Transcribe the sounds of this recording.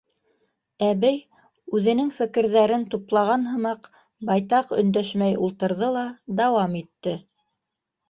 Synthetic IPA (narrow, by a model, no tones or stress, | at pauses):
æβɘj | ʉðɘ̆nɘŋfɘ̆kɘ̆ɾðæɾɘnt̪uplˠɑʁɑnɦɤ̆mɑq | bɑjt̪ɑqɵ̆nd̪æʃmæjulˠt̪ɤ̆ɾðɤlˠɑd̪ɑwɑmit̪ːɘ